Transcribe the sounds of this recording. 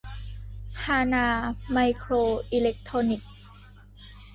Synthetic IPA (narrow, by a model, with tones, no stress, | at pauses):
hʰaː˧naː˧ma˧jkʰɾoː˧ʔi˧le˦˥k̚t̪ʰɾoː˧ni˨˩k̚